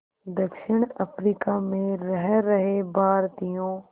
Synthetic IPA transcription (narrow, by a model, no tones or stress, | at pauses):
d̪əkʃɪɳ̃ɐpɾiːkamẽɾɐɦɛɾɐɦebʱaːɾt̪ijõː